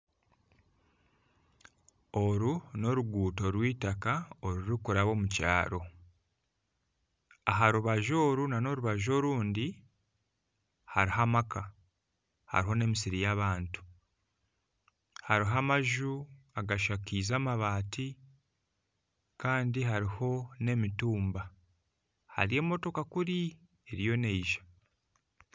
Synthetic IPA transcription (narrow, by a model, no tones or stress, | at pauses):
o̞ɾuno̞ɾuɡuːto̞ɾwiːtakao̞ɾuɾikuɾaβo̞muca̰ːɾo̞ | aɦaɾuβaʒo̞ːɾunano̞ɾuβaʒo̞ːɾuːndi | haɾiɦamaka | ha̰ɾiɦo̞ne̞misiɾijaβaːntu̥ | haɾiɦamaʒu | aɡaʃakiːzaːmaβaːtʰi | kaːndiɦaɾiho̞ne̞mituːmba | ha̰ɾie̞mo̞to̞kakuɾi | e̞ɾijo̞ne̞iʒḁ